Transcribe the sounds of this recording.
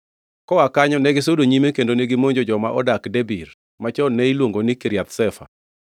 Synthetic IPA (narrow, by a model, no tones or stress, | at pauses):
kɔakaɲɔnɛɡɪsodoɲimekendoneɡɪmoɲd͡ʒod͡ʒɔmaʔɔdakdebir | mat͡ʃɔnɛilwoŋɡonikiɾɪjat̪sɛfa̰